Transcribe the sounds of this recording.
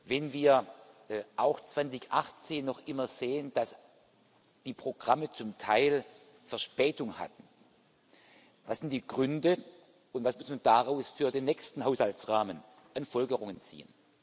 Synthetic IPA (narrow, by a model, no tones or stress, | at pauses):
vɛnviːɐ | ʔaʊxt͡sv̥ant͡sɪçʔaχt͡seːnːɔχʔɪmɐz̥eːənd̥as | d̥iːpʁ̥oɡʁamət͡sʊmtʰaɪl | fɛɐʃpɛːtʊŋha̰tn̩ | vasz̥ɪnt̚d̥iːɡ̥ʁʏndə | ʊntv̥asmʊsnmandaʁaʊsfyːɐdeːnːɛçstn̩ɦaʊshaltt͡sʁaːmən | ʔanfɔlɡəʁʊŋənt͡sḭːə̰n